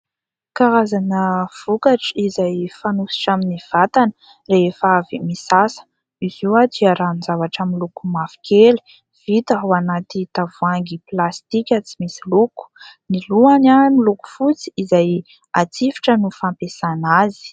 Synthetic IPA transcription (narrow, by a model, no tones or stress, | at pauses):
kaɾazanəv̥ukaʈ͡ʂizajfanusi̥ʈ͡ʂaminiv̥at̪an | reefavimisasə̥ | iziwad̪iaɾannzavaʈ͡ʂamilukumafi̥kʰʲeli̥ | v̥it̪əɦuanat̪it̪avuaŋɡiplast̪ikʲət͡simisiluku̥niluanamiluku̥fut͡si̥ːzaj | at͡sifi̥ʈ͡ʂənufampesanazi̥